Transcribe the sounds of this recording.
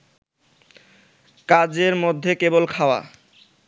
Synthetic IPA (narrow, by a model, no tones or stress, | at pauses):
kad͡ʑeɾmod̪ʱːekebolkʰaoa̰